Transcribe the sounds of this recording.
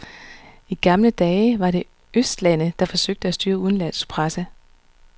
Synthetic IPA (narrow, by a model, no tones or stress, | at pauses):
iɡ̥ɑ̈mləd̥ɛːɪʋɑ̈ɾ̥e̝ | øsd̥læn̰əd̥ɑ̈fɒ̽søɡ̥̚d̥əæsd̥yːɐuðˠn̩læn̰spʰʁasə